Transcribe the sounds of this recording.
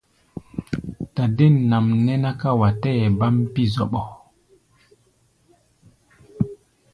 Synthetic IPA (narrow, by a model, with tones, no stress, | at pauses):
ta˨de˦˨nːa˨mnɛ˦na˦ka˦wa˨tɛ˦˨ba˦mpi˦zɔ˨ɓɔ˨